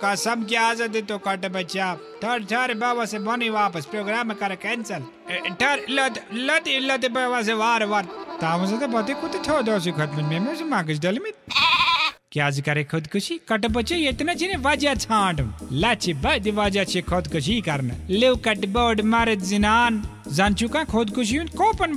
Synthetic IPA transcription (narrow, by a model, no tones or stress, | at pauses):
kɐsɐmk̬jaːzɐd̪it̪okɐʈbɐt͡ʃa | ʈʰɐɾʈʰɐɾbɐʋasebɔniʋaːpɐspɾoːɡɾaːmekɐɾekɛnt͡sɐl | ʈʰɐɾlɐt̪lɐt̪ːlːɐt̪̬ibɐʋas̬eʋaːɾʋɐɾt̪̚t̪aːʋɐs̬ɐt̪ɐbɐt̪̬ikʰut̪it̪ʰoːd̪oːs̬ikʰɐt̪mɐnmemusimãːk̬ət͡ʃʰɖɐlmit̪̚ | kʲjaːzikɐɾekʰʊd̪kuʃikɐʈb̬ɐt͡ʃijet̪nɐt͡ʃineʋɐd͡ʒat͡sʰãːɖumlɐt͡ʃʰibɐd̪iʋɐd͡ʒat͡ʃʰikʰod̪kʊʃ̬ikɐɾnliwkɐʈboːɖmɐɾɐt̪zinaːnzɐnt͡ʃʰukãːkʰod̪kuʃ̬iũnd̪koːpɐn